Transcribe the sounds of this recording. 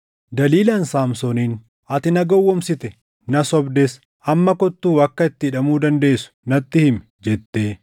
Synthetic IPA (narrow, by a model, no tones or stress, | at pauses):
d̪ɐliːlɐnsaːmsɔniːn | ʔɐt̪ɪnɐɡɔwːɔmsɪt̪ɛ | nɐsɔbd̪ɛs | ʔɐmːɐkɔt̪ːuːɐkːɐɪt̪ːɪɪᶑɐmuːd̪ɐnd̪e̞ːsʊ̥nɐt̪ːɪhɪm | d͡ʒɛt̪ːeː